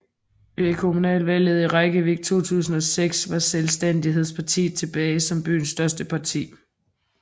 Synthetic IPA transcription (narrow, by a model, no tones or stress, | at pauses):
ekʰo̝munɛ̰ːlʋæl̰ð̞̩ˠiʁaɡ̥əʋeɡ̥̚t͡sʰo̝̰ːt͡sʰṵːsn̩ɒ̽seɡ̥sʋɑ̈selsd̥en̰d̥iɦe̝ð̞̰ˠspʰɑ̈t͡sʰḭːðˠt͡sʰe̝b̥ɛːɪsɒ̽mb̥y̰ːnsːd̥ɶɐsd̥əpʰɑ̈t͡sʰḭː